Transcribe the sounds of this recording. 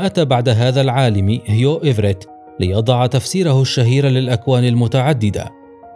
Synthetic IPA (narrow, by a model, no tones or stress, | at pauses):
ʔat̪aːbaʕd̪aɦaːðalʕaːlɪmhɪjoːʔɪvɾɪt̪ | lɪjɑd̪ˤɑʕt̪afsiːɾahʊʃːaɦiːɾalɪlʔakwaːnɪlmʊt̪aʕad̪ːɪd̪a̰